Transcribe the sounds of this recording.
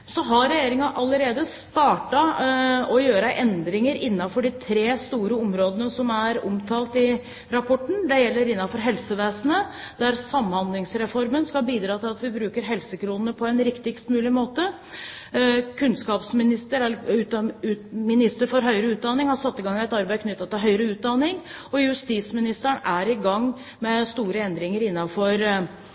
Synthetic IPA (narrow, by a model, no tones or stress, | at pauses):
sɔɦɑɾɛjeːɾɪŋɑʔɑlːəɾeːd̪əst̪ɑːʈɑɔjøːɾəʔɛnd̪ɾɪŋəɾɪnːɑfɔɖɪt̪ʰɾeːst̪uːɾəɔmɾoːd̪ənəsɔmæɾɔ̰mt̪ʰɑːlt̪ɪ | ɾɑpʰɔʈːɳ̩d̪ɛjɛlːəɾɪnːɑfɔɾɦɛlsəʋeːsənə | d̪̥æɾsɑmːhɑnd̪lɪŋsɾɛfɔɾmənskɑbiːd̪ɾɑːt̪ɪlɑt̪ʋɪbɾʉːkəɾɦɛlsəkʰɾuːnənəpʰɔɛnɾɪkt̪ɪɡst̪mʉːlɪmoːt̪ə | kʰʉnskɑːpsmɪnɪst̪əɾɛʉʉmɪnɪst̪əɾfɔɾɦœʏɾəʉːt̪̚d̪ɑnːɪŋhɑsɑt̪ːɪɡɑŋɪɛt̪ɑɾbæɪkʰnʏt̪ːɑt̪ːɪlɦœʏɾəʉːt̪̚d̪ɑnːɪŋɔjʉst̪iːsmɪnɪst̪əɳæɾɪɡɑŋː | mɛst̪uːɾəɛnd̪ɾɪŋəɾɪnːɑfɔɾ